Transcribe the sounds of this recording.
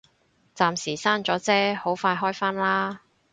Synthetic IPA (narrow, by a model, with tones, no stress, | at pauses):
t͡saː˧msiː˨˩saː˥nt͡ʃɔː˨˥t͡sɛː˥ho˨˥wfaː˧jɦɔː˥jfaː˥nlaː˥